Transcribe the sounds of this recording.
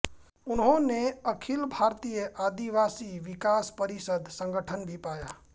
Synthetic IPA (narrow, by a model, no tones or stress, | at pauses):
ʊnɦõneəkʰɪlbʱaːɾt̪ijəʔaːd̪iʋaːsiʋɪkaːspəɾɪsəd̪sə̃ŋɡəʈʰənbʱipaːja̰ː